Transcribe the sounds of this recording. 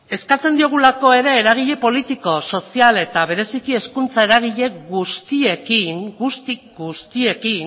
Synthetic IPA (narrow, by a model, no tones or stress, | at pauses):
e̞skat͡se̞nd̪io̞ɣ̞ulako̞e̞ɾe̞ːɾaɣ̞iʎe̞po̞lit̪iko̞so̞siale̞t̪aβ̞e̞ɾe̞sikie̞skunt͡sae̞ɾaɣ̞iʎe̞ɣust̪ie̞kiŋɡust̪i | ɡust̪ie̞kin